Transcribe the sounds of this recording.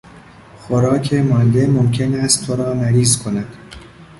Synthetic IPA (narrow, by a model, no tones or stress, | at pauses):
xoɾɒːcʰe̞mɒːnd̪e̞momcʰe̞næst̪t̪ʰːoɾɒːmæɾiːzkʰo̞næd̪̥